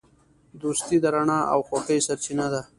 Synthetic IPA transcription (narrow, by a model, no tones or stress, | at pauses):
d̪ust̪id̪aɾaɳaa̰wxaxəjsaɾt͡ʃinad̪a